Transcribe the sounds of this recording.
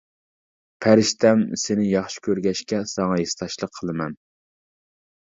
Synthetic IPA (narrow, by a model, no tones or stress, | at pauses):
pʰæɾɪʃt̪ɛmsenɪjɑχʃi̥kʲʰøɾɡʲɛʃkʲɛsɑŋɑjest̪ɑʃlˠəqʰːəlˠɨmɛn